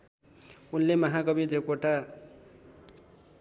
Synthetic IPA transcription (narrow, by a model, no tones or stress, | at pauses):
unlemʌɦaɡʌbid̪ekoʈa